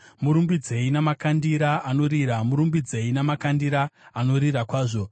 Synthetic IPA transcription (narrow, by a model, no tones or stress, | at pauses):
muɾumbid͡ze̞inamakandiɾaano̞ɾiɾamuɾumbid͡ze̞inamakandiɾaːno̞ɾirakwaːʐo̞